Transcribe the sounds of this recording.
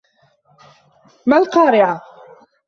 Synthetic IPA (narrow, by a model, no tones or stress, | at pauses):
malqɑːɾɪʕa